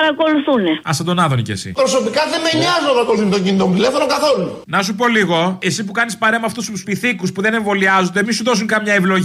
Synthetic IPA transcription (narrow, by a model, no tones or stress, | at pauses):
ɐɾɐko̞luθuneɐ̰sɐnd̪onɐðonḭcesḭpɾo̞so̞pikɐðemeniɐzunt̪ɐpɐɾkoluθunt̪oɲɟinit̪ont̪ile̞fo̞noŋkɐθo̞lunɐsupo̞liɣo̞e̞sipukɐnispɐɾemɐft̪ususpiθikuspuðe̞ne̞ɱvo̞liɐzond̪emisuðo̞suŋkɐmɲɐevlo̞ʝ